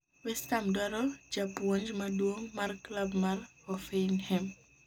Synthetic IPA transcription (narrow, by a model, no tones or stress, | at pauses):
wɛstamdwaɾɔd͡ʒapwoɲd͡ʒmadwoŋmarklabmaɾhɔfeinhɛm